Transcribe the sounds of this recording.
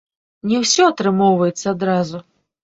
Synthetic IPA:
nʲɛwsʲɔat̪ɾɨmɔwvɐjɛt̪sːɐad̪ɾazu

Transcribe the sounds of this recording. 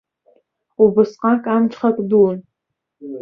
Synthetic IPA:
ubɨsqʼɑːkʼaːmt͡ʃχɐkʷʼduwn

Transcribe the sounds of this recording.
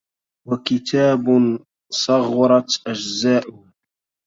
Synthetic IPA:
wakɪt̪ʰaːb | sˤɑɣːɑɾˤɑt̪ʔad͡ʒzaːʔʊh

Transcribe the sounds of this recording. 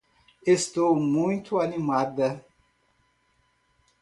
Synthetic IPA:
est̪owmũj̃t̪uanimad̪ɐ

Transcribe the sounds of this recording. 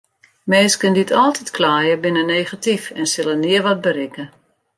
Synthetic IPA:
mɪːskənditʰɔlˠtʰitkʰlaːjəbɪnəneːχatifɛnsɪləniəʋɔt̚bəɾɪkə

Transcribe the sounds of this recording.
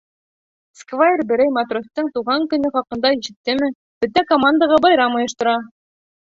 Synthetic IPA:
skvajerbɘ̆ɾæjmɐt̪rost̪ɤŋt̪uʁɑŋkɵ̆nɵχɑqɤ̆nd̪ɑiʃɘ̆t̪ːɘmɘ | b̥ɵt̪ækomand̪əʁɑbɑjɾɑmŏjɤ̆ʃt̪ɤ̆ɾɑ

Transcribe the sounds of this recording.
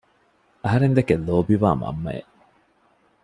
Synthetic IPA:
ɐɦɐɾend̪ekeloːbiʋa̰ːmɐ̰mːɐ̰ḛ

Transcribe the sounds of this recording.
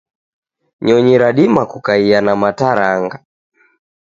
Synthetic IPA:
ɲɔɲiɾaɗimakukaianamataɾaŋɡa

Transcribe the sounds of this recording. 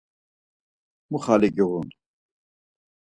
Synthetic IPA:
muχaliɡiɣun

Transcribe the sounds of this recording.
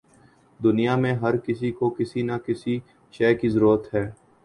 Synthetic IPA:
d̪ʊnijamẽɦɐɾkɪs̬ikokɪsinakɪsi | ʃɛːkizəɾuːɾət̪ɦɛː

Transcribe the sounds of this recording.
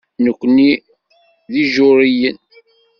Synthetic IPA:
nəkʷːni | ðiʒʊɾijən

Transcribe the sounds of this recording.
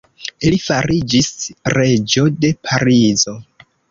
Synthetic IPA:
ilifaɾid͡ʒisɾe̞d͡ʒo̞de̞pʰaɾizo̞

